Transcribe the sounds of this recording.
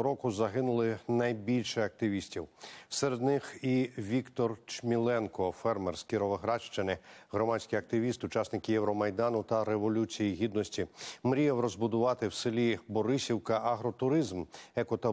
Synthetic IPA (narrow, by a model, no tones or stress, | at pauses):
ɾɔkʊzɐɦɪnʊlˠɪnɐjbʲilʲʃɛɐk̚t̪ɪʋʲisʲtʲiwseɾed̪nɪxiʋʲikt̪ɔrt͡ʃmʲilˠɛnkɔfɛrmɛrskʲiɾɔʋɐɦɾɑt͡ʃt͡ʃɪnɪɦɾɔmɑt͡sʲkʲijɐk̚t̪ɪʋʲist̪ʊt͡ʃɑsnɪkɪjɛwɾɔmɐjd̪ɑnʊt̪ɐɾeʋɔlʲut͡sʲijiɦʲid̪nɔsʲtʲimɾʲijɛwɾɔzbʊd̪ʊʋɑt̪ɪwsɪlʲibɔɾɪsʲiwkɐʔɐɦɾɔt̪ʊɾɪzmɛkʊt̪ɐ